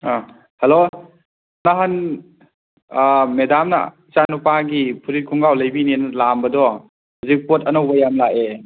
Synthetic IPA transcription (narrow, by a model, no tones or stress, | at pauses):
a | hɐlo | naɦan | medamnɐ̰ | t͡ʃanupaɡipʰuɾit̚kʰuŋɡawlɐjbinenɐlambɐdɔ | hawzik̚potɐnowbɐjamlae